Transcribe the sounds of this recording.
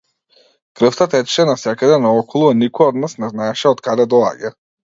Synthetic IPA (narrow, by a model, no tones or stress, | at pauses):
kɾɤft̪at̪ɛt͡ʃʃɛnasɛkad̪ɛnaɔkɔlˠuanikɔjɔd̪nasnɛznaɛʃɛɔt̪kad̪ɛd̪ɔa̰ɟa